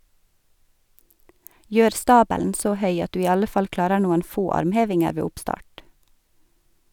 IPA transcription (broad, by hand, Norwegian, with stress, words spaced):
ˈjøːɾ ˈstɑːbəln̩ ˈsoː ˈhœʏ ˈɑt ˈdʉː ˈiː ˈɑlə ˈfɑl ˈklɑːɾəɾ ˈnuːən ˈfoː ˈɑɾmˌheːʋɪŋəɾ ˈʋeː ˈʊpˌstɑːʈ